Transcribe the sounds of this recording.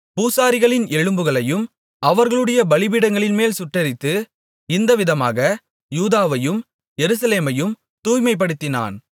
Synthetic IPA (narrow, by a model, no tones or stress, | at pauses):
puːsaːɾɪɣɐɭɪnɛɻɯmbɯɣɐɭɐjɯm | ʔɐʋɐɾɣɐɭɯɽɐjɐbɐɭɪbɪɽɐŋɡɐɭɪnmeːlsʊʈːɐɾɪt̪ːɯ | ɪnd̪ɐʋɪðɐma̰ːɣɐ | juːðaːʋɐjɯm | jɛɾɯs̬ɐleːmɐjɯm | t̪uːjmɐɪp̬ːɐɽɯt̪ːɪna̰ːn